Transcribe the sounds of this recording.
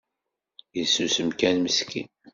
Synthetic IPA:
jəsusəmkænməskḭn

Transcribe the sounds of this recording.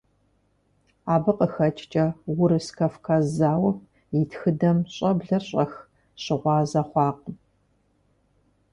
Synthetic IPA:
aːbɨqəxɐt͡ʃʼt͡ʃʼɐwʊɾɨskʰɐfkʰɐzaːwɐp̚ | ɪtʰxɨdɐmɕʼɐbɮɐɕʼɐx | ɕɪʁʷɑːzɐχʷɑːq

